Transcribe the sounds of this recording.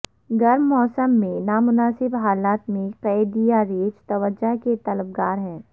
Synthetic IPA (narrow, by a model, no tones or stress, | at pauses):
ɡɐɾmːɔːsəmːẽnaːmʊnaːsɪbɦaːlaːt̪mẽqɛːd̪ijaɾeːd͡ʒt̪ɐʋəd͡ʒaket̪ɐləb̚ɡaːɾɦɛ̃ː